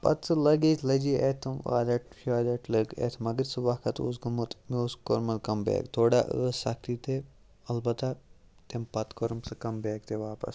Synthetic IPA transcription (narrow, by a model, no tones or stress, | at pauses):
pɐ̰t̪sɨlɐɡeːt̪lɐd͡ʒiːeːt̪ʰɐmʋa̰ːlɐʈʃaːd̪ɐʈʰlɐɡḛt̪ʰmɐɡəɾsɨʋaːkʰɐt̪o̰ːsɡɐmut̪moːskoɾmɐlkɐmbḛːkt̪ʰoːɽaːʔə̰ːsɐkʰt̪iːt̪e | ɐlbɐt̪a | t̪empɐt̪koɾmsɨkɐmbeːk̚t̪ʰeʋaːpɐ̰s